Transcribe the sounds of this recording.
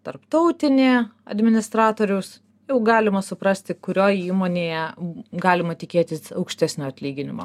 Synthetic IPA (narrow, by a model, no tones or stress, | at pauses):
t̪ɐrpt̪ɐʊt̪ʲɪnʲeːɐ̰d̪ʲmʲɪnʲɪst̪ɾɑːt̪oːɾʲʊs | jɛʊɡɑːlʲɪmɐsʊpɾɐsʲt̪ʲɪkʊɾʲoːjiːmoːnʲeːjɛɡɑːlʲɪmɐt̪ʲɪkʲeːt̪ʲɪsɐʊkʃʲt̪ʲæːsʲnʲoːɐt̪ʲlʲiːɡʲɪnʲɪmo̰ː